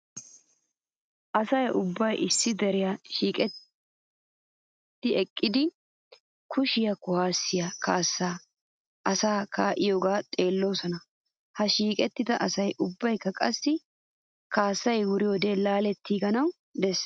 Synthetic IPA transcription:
ʔɐsɐjʔʊbːɐjʔɪsːɪd̪ɛɾɪjaʃiːkʼɛ | t̪ːɪɛkʼːɪd̪ɪ | kʰʊʃɪjɐkʊhaːsːɪjakʰaːsːaː | ʔɐsaːkʰaːʔɪjoːɡaːt̪ʼe̞ːlːo̞ːsɔnɐ | hɐʃiːkʼɛt̪ːɪd̪ɐʔɐsɐjʔʊbːɐjkːɐkʼɐsːɪ | kaːsːɐjwʊɾɪjoːd̪elaːlɛt̪ʰːiːɡɐnɐw | d̪ɛs

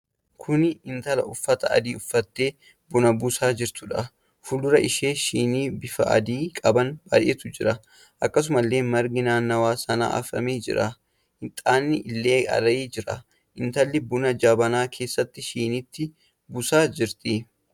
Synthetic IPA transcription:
kʰʊnɪnt̪ɐlɐ̰ʔʊfːɐt̪ɐʔɐ̰d̪iːʊfːɐt̪ːe̞ː | bʊnɐbʊsaːd͡ʒɪɾt̪ʊᶑɐ | fʊlːʊɾɐʔɪʃeːʃiːniːbɪfɐ̰ʔɐ̰d̪iːkʼɐbɐnb̥a̰ːjʔet̪ʊd͡ʒɪɾɐ | ʔɐkːɐs̬ʊmɐlːe̞ːmɐɾɡɪnaːnːɐwaːsɐna̰ːʔɐ̰fɾɐ̰meːd͡ʒɪ̰ɾɐ | hɪt̪ʼaːnːɪʔɪlːe̞ːɐ̰ɾɐiːd͡ʒɪɾɐ | ʔɪnt̪ɐlːɪbʊnɐd͡ʒaːbɐnaːkʰe̞ːsːɐt̪ːɪʃiːnɪt̪ːɪ | bʊsaːd͡ʒɪɾt̪i

